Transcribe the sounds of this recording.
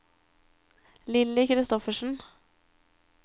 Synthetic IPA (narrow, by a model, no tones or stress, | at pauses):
lɪləkɾɪst̪ɔfəʃn̩